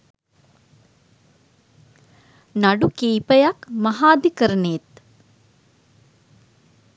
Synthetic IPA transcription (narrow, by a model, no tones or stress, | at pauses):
naɖukiːpəjakmaɦaːd̪ikəɾəneːt̪